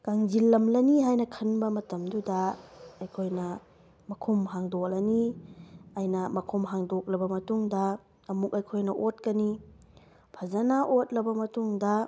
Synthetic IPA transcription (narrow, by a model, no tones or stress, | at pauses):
kaŋd͡ʒilːɐmlɐniɦajnɐkʰɐnbɐmɐtɐmdudɐɐjkʰojnɐ | mɐkʰumɦaŋdok̚lɐni | ajnɐmɐkʰumɦaŋdok̚lɐbɐmɐtuŋdɐː | muk̚ɐjkʰojnɐʔot̚kɐni | pʰɐzanaʔot̚lɐbɐmɐtuŋdɐ